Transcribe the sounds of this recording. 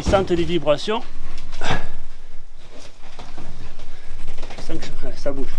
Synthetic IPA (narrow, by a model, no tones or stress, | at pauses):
isɑ̃t̪elevibʁasjɔ̃ | sɛ̃ksabuʃ